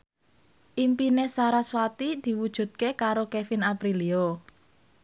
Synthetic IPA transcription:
ʔimpinesaɾaswat̪id̪̥i̤wud̥ʒ̥ṳt̪̚kekaɾokefɪnapɾilio

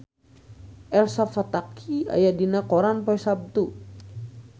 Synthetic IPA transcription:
ɛlsafat̪akʰia̰jadinakɔɾanpɔjsab̚t̪u

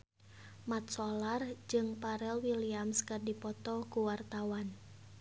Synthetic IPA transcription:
mat̪̚sɔlard͡ʒɨŋpaɾɛlwiliamskɨrdipɔt̪ɔkuwart̪awan

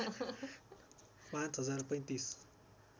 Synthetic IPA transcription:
wãnt̪ɐzaɾpɐ̃j̃nt̪isu̥

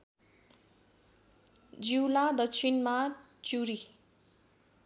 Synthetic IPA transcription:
d͡ziwlad̪ʌk̚t͡sʰinma | t͡suɾi

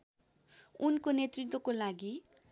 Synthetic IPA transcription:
unkonet̪rit̪wʌkolaɡi

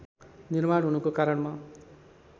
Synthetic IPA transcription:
nirmaɽɦunukokaɾʌɳma

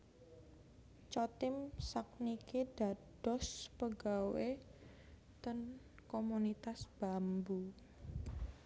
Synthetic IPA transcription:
t͡ʃɔt̪ɪmsak̚nikeɖ̥a̤d̥ɔspəɡawe | t̪ən | komunit̪asb̥ambu

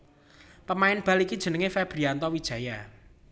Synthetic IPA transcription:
pəmaɪnb̥a̤likid̥ʒ̥ə̤nəŋefɛb̥ɾiant̪ɔwid̥ʒ̥ä̤ja

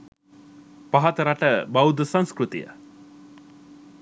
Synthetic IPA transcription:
paɦat̪əɾaʈəbawd̪əsaŋskɾut̪ḭjə̰

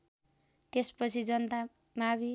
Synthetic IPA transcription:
t̪espʌt͡sʰid͡zʌnt̪a | mabi

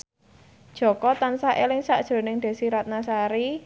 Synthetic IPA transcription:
d̥ʒ̥ɔ̤kɔt̪ansaʔelɪŋsaʔd̥ʒ̥o̤nɪŋd̪̥e̤siɾat̪̚nasaɾi

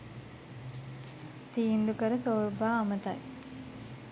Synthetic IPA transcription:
t̪iːnd̪ukəɾəsoːɾbaːmət̪a̰j

